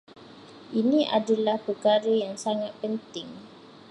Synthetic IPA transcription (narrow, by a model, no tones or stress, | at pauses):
ʔinĩʔa̰dalahpəkaɾəjaŋsaŋat̪̚pənt̪ɪŋ